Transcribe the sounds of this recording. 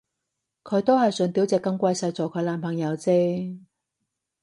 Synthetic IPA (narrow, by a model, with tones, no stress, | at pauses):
kʰɵ˨˧˥jt̪o˥whɐ˨jsɵ˨˧nt̪iː˨˥wt͡sɛː˨˧kːɐ˧ŋkʷɐ˧jsɐ˧jt͡sɔː˨˩kʰɵ˨˧˥laː˨˧˥npʰɐ˨˩ŋjɐ˨˧wt͡seː˥